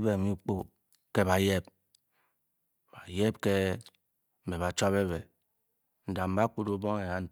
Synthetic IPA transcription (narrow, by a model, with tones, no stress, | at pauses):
be˦˨mi˦k͡po˦ | ke˦ba˨je˦p̚ | b̥a˨je˦b̚ke˦ | m̩˨be˨ba˨t͡ʃa˦be˦be˨ | n̩˨da˨m̩˨ba˦ku˦du˦bo˦ŋe˨ha˦n̩˦